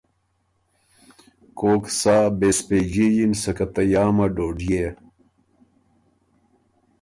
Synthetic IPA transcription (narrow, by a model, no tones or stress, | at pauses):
koːksaːbesped͡ʑijinsɐkɐt̪ɐjaːmɐɖoːɖije